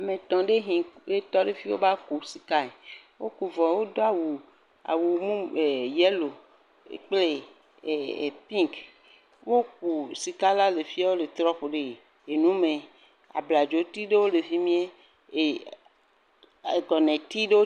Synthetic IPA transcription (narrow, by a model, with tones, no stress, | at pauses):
a˨mẽ˨t̪ɔ̃˨ɖe˦ɦĩ˨e˦t̪ɔ˦ɖe˦fi˦wo̰˦ba˦ku˨si˨ka˦e˨wo˦ku˨vɔ̃˨wo˦d̪o˦a˨wu˨ | a̰˨wu˨mũ˦e˨jɛ˦lo˨ | ḛ˨k͡ple˦˨ | pĩ˦ŋk | wo˦k̚u˨si˨ka˦la˦le˨fi˦a˦wo˦le˨t̪ɾɔ˦ɸo˨ɖe˦˨ | e˨nũ˦mẽ˨ | a̰˨bla˨d͡ʒo˨t̪i˦ɖe˦wo˦le˨vi˦mĩ˦e˦ | e˨ | ɡɔ˨nɛ̃˨t̪i˦ɖe˦wo˦